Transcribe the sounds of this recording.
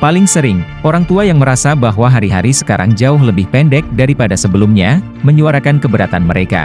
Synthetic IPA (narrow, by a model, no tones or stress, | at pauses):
palɪŋsəɾɪŋʔoɾaŋt̪uajaŋməɾasabaɦwaɦaɾiɦaɾisə̥kaɾa̰ŋd͡ʒaʊɦləbɪhpɛndɛk̚daɾipadasəbəlʊmɲa | məɲuaɾakankəbəɾat̪anməɾeka̰